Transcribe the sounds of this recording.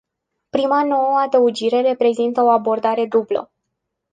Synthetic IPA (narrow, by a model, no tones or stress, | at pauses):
pɾimano̞wəad̪əud͡ʒiɾe̞re̞pɾe̞zint̪əo̞abo̞rd̪aɾe̞d̪ublə̰